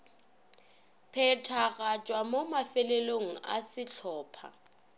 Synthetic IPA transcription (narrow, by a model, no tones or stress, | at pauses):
pʰɛtʰaɣat͡ʃʼwamomafɛleloŋ̩a̰sɪt͡ɬʰɔːpʰa̰